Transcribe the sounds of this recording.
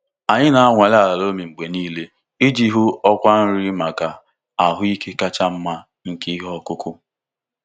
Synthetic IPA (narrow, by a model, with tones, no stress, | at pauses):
a˨ɲɪ˦na˨a˦ŋʷa˨la˨la˨lo˦mi˨ŋ͡m̩˨ɡ͡be˨niː˦le˦ | i˦d͡ʒi˦ɦʊ˦ɔ˦kʷa˦n̩˦ɾɪ˦ma˨ka˨ | a˨ɦʊ˦i˦kʰe˦ka˦t͡ʃa˦m̩˦ma˦ | ŋ̩˨ki˦ɦɔ˦kʊ˦kʊ˦